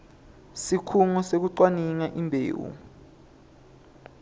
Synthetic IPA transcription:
sikʰuŋɔsek̬uǀwaniŋaʔimbʱḛːwṵ

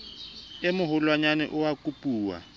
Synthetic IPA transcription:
ɪmʊɦʊlwaɲanɛ̰ʔʊwakʼupʼuːwa̰

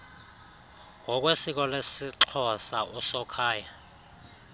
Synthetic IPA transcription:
ŋʱɔk̬ʼwesik̬ʼɔlesiǁʰɔsaʔɔsɔkʰaːja

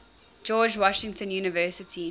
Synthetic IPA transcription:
d͡ʒɔːd͡ʒwɔʃɪ̃ŋtʰə̃njuːnəvɜːˑsətʰi

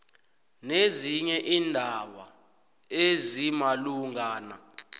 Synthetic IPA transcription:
neziɲɛʔiːndʱaɓa̰ | ezimaluŋaːna̰

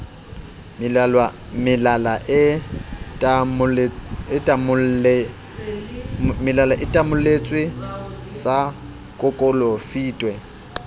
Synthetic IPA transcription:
mɪlwa | mɪlalaʔɪ | tʼm | mɪlalaʔɪtʼamʊlet͡sʼwɪsa | kʼʊkʼʊlɔfiːtʼwɛ

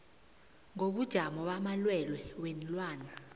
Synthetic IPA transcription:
ŋoɓud̥ʒ̥ʱamɔɓamalwɛlwɛwen̩lwaːna

